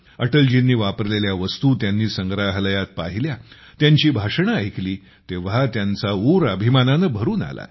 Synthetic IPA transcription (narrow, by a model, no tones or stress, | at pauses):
əʈəld͡ʑinːiːʋapəɾleljaʋəst̪uːt̪janːiːsəŋɡɾaɦləjat̪̚paɦilja | t̪jaɲt͡ɕiːbʱaʂɳ̃aəjkliː | t̪eʋat̪jant͡sauɾəbʱimananəbʱəɾuːna̰la̰